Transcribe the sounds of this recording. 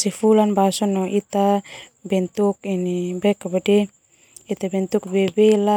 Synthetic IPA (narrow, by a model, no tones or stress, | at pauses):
sifulanbasɔnɔʔit̪abɛnt̪uk̚inibɛkabadɛ | it̪abɛnt̪uk̚bɛbɛla